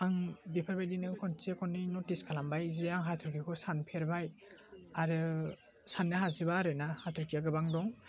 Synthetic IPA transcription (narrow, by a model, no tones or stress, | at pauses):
aŋbipʰaɾbajdinɯkʰɔnt͡ʃekʰɔnːinɔtiskʰalambajzeaŋɦatʰuɾɡikʰɔsanpʰeɾbajaɾɯ | sanːɯɦazɯbaɾɯnahatʰuɾtijaɡɯbaŋdɔŋ